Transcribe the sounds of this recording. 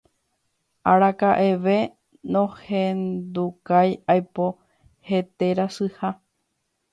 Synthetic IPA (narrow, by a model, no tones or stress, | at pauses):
aɾakaʔe̞ʋe̞ | nõhẽnd̪ukajajpo | he̞t̪e̞ɾasɨha